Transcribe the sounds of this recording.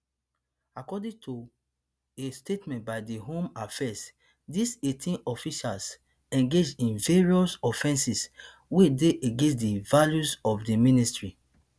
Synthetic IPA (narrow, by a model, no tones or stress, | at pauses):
akɔdĩtʰu | estetmɛ̃nt̚baɪdiɦõmafɛs | disetʰĩnɔfiʃals | ɛ̃ŋɡed͡ʒdĩnveɹiɔsɔfɛ̃nsis | wedeʔeɡẽns̬devaljusɔfdimĩnistɹi